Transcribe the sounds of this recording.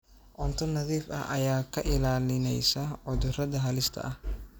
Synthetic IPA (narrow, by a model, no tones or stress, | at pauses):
ʔɔnt̪ʰɔnɐðiːfɐ̰hʔɐ̰jaːkʰɐʔɪlaːlɪnɛjsɐʕʊðʊrɐðɐɦɐlɪst̪ʰɐ̰ʔɐh